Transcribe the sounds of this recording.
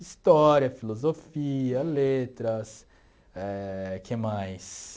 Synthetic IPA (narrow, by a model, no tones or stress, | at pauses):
ist̪ɔɾiɐfilozofiɐlet̪ɾɐs | ɛkʰemajs